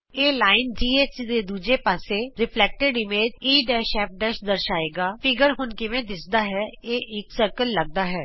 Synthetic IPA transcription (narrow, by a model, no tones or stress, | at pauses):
eːlaːɪnd͡ʒiːeːt͡ʃd̪eːd̪uːd͡ʒeːpaːseːɾɪpʰlɛːk̚ʈəɖɪmeːd͡ʒiːɖɛːʃɛːp̚ɖɛːʃd̪əɾʃaːeːɡaːpʰɪɡəɾɦʊnkɪʋẽːd̪ɪsd̪aːɦɛːeːʔɪksəɾkəlːəɡ̚d̪aːɦɛː